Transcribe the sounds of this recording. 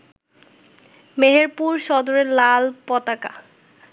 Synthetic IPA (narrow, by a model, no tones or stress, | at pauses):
meɦeɾpuɾʃɔd̪oɾeɾlalpɔt̪aka̰